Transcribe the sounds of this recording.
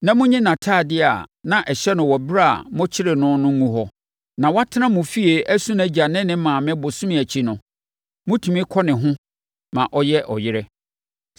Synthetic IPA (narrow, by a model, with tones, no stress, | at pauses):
nã˨mʊ̃˦ɲɛ̃˦nã˨tʰaː˦˨dɪ˦a̰˨nã˨ʔɛ˨ɕɛ˦nʊ̃˨wɔ˨bɾa˦a̰˨mʊ̃˦t͡ɕʰɪ˦ɾɪ˨nʊ̃˦nʊ̃˦ũ˦ɦɔ˦ | nã˨wa˦tʰɪ˦nã˦mʊ̃˨fi˦e˨ʔæ˦sũ˦næ˦d͡ʑa˨nɪ̃˦nɪ̃˦mã˨mɪ̃˦bʊ˨sʊ̃˦mɪ̃˨æ˨t͡ɕʰi˦nʊ̃˨ | mʊ̃˦tʰu˨mĩ˦kʰɔ˦nɪ̃˨ɦʊ̃˦ | mã˨ʔɔ˦jɛ˦ʔɔ̰˨jɪ˦ɾɛ˦